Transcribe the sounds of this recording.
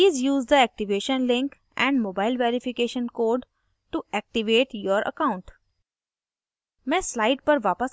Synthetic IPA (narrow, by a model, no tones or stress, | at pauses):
piːzjuːzd̪əɛk̚ʈiʋeːʃə̃nlɪ̃ŋk | ʔɛ̃ɳɖmoːbaɪlʋeɾifikeːʃə̃nkoːɖ | ʈuʔɛk̚ʈiʋeːʈjəɾʔə̰kãʊ̃ɳʈ | mẽːslaɪʈ̚pəɾʋaːpəs